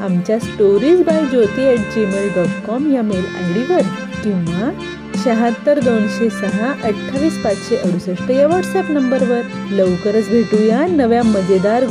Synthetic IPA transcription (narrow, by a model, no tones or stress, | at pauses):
amt͡ɕjasʈoɾiːd͡ʑbajd͡ʑot̪iɛʈ̚d͡ʑemelɖɔʈkɔmjaməla̰ɡɽiʋəɾ | kĩʋa | ɕəɦãt̪ːəɾd̪onɕesəɦãʔəʈt̪ʰaʋiːspat͡sɕeʔəɽusəʂʈəjaʋɔʈsɛpnəmbəɾʋəɾ | ləʋkəɾət͡sbʱeʈ̪uːjanəʋjãməd͡zed̪aɾ